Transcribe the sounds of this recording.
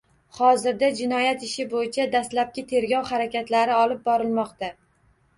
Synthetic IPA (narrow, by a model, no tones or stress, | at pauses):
hɒzɪɾd̪ad͡ʒɪnɒjat̪ɪʃɪbojɪt͡ʃʰad̪aslap̚kʲɪt̪ʰe̞ɾɡʲɒwhaɾakʲat̪laɾɪɒlˠɪp̚bɒɾɪlmɒqt̪a